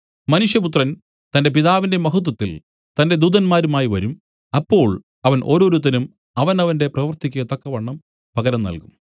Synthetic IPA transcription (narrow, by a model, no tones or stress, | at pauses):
mɐnuʂjɐp̬ut̪rɐn | t̪ɐnde̞p̬iðaːʋinde̞mɐɦut̪̬wɐt̪ːḭl | t̪ɐnde̞d̪uːðɐnmaːɾumaːjiʋɐɾum | ɐpːo̞ːɭ | ɐʋɐnʔo̞ːɾo̞ːɾut̪ːɐnum | ɐʋɐnɐʋɐnde̞prɐʋɐrt̪ikʲːuɣɐt̪ɐkːɐʋɐɳːɐm | pɐɣɐɾɐmnɐ̰lkum